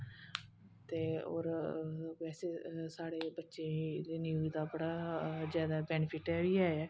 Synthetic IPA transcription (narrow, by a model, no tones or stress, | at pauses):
t̪eːo̰ːɾʋɛːseːsaːɽeːbətːʃẽd̪eːnjuːd̪aːbəɽaːd͡ʒjaːd̪aːbɛːnpʰɪʈɛːʋiːaːɛː